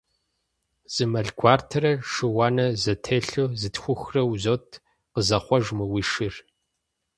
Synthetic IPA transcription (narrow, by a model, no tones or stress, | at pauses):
z̥ɨmɐɮɡʷʰaːrtʰɐrɐʂɨwɑːnɐzɐtʰeːɬozɨtxʷʊxrɐwzoːtʰ | qəzɐχʷɔʒmɨwiːʃɨr